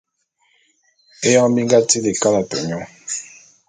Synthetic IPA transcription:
e˦jɔ̃˦bi˦ŋ˦ɡa˦ti˦le˨ka˦na˨tɛ̰˨ɲɔ˦

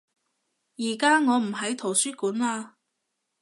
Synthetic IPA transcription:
jiː˨˩kaː˥ŋɔː˨˧m̩˨˩ɦɐ˨˥jt̪ʰo˨˩wsyː˥kuː˨˥nlaː˧

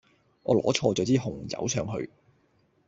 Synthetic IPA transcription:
ŋʔɔː˨˧lɔː˨˥t͡ʃʰɔː˧t͡sœː˨˥t͡siː˥ɦʊ˨˩ŋt͡sɐ̰˨˥wt͡ʃʰœː˨˧˥ŋɦɵ̰˧ɥ

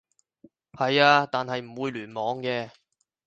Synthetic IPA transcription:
hɐ˨jaː˧t̪aː˨nhɐ˨jm̩˨˩wuː˨˧jlyː˨˩nmɔː˨˧ŋkɛː˧

